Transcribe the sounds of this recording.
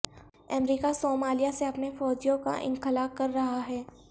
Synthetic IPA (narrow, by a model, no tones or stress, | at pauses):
ɐmɾiːkasoːmaːlijaseɐpnefɔːd͡ʒijõka̰ʔɪ̰̃nxɪlaːkːɐɾːɐɦaɦɛː